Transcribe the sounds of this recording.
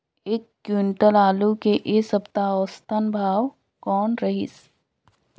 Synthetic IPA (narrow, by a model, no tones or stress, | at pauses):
eːkːɪɳʈəlaːlukeʔesəpt̪aɔːst̪ənbʱaːw | kɔːnɾɐɦḭs